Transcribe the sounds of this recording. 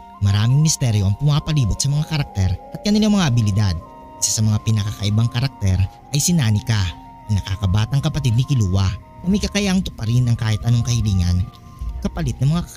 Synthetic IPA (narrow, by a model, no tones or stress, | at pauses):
mɐɾaːmɪŋmɪst̪ɛːɾjo̞ʔɐŋpʊmaːpɐliːbʊt̪̚sɐmɐŋakɐɾɐk̚t̪ɛɾʔɐt̪̚kɐnɪlamɐŋaʔɐbɪlɪd̪ad̪̚ | kɪsasɐmɐŋapɪnɐkɐkɐʔɪbaŋkɐɾɐk̚t̪ɛɾʔɐjsɪnaːnɪka | ɐnɐkakɐbaːt̪ɐŋkɐpɐt̪̬id̪̚nɪkɪluːwɐ | nɐmɐɪjkɐkɐjaʔŋt̪ʊpɐɾɪnɐŋkaːhɪt̪ʔɐno̞ŋkɐhɪliːŋɐ̰n | kɐpɐlɪt̪̚nɐŋmɐŋa